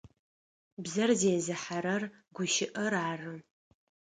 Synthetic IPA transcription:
bzɐrzeːzɨħaɾɐrɡʷʊʃɪʔɐraːrɨ

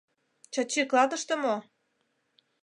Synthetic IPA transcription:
t͡ɕɑt͡ɕiklɑt̪ə̆ʃt̪ə̆mo

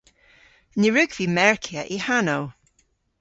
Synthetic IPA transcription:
niɹʉɡv̥iːmɛɹkʰjəʔihanow

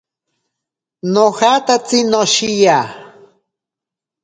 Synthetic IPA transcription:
nohat̪at͡sinoʃija

